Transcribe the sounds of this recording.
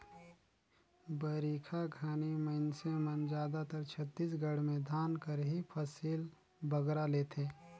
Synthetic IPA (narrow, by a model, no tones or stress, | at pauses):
bəɾiːkʰaɡʱaːniməɪnsemənd͡ʒjaːd̪at̪əɾt͡ʃʰət̪ːiːs̬ɡəɽ̤mẽd̪ʱaːnkəɾɦipʰəsiːl | bəɡɾaleːt̪ʰeː